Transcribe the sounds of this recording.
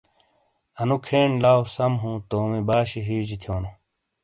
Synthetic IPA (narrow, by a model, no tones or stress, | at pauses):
ɐnukʰeːɳlaːwsɐmɦũːt̪oːmibaːɕiɦiːd͡ʑit̪ʰjoːnu